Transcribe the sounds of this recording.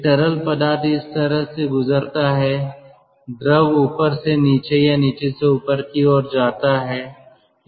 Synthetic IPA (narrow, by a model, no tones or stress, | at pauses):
ʈɐɾəlpɐd̪aːt̪ɪst̪ɐɾəɦseɡʊzəɾt̪aɦɛː | d̪ɾəʋuːpəɾseniːt͡ʃejaniːt͡ʃeseʊpəɾk̪iɔːɾd͡ʒaːt̪aɦɛː